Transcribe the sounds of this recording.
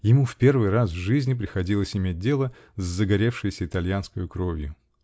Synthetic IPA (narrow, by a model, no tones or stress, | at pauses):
jɪmufpʲe̞rvɨjrasvʐɨzʲnʲɪp̬ɾʲɪxɐdʲilˠəsʲɪmʲet̚ʲdʲe̞lˠə | zːəɡɐɾʲe̞fʂɨjɪsʲəɪt̪ɐlʲjanskəjʊkɾo̞vʲjʊ